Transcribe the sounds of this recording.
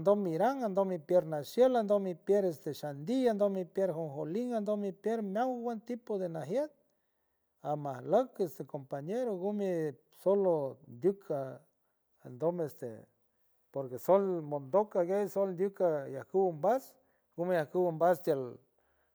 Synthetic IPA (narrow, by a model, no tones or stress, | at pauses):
nd̪omːiɾaŋand̪omipjeɾnasjeland̪omipjeɾest̪eʃand̪iand̪omipjeɾɦoŋxoliŋand̪omipjeɾmjawwent̪ipod̪enaɦjet̪̚ | amahləkest̪ekompaɲeɾoɡume | solond̪ʲjukʰa | a̰nd̪omest̪ḛ | poɾkesolmond̪okaɡejsolnd̪ʲjukajahkuwumbas | ɡumejahkuwumbast̪jal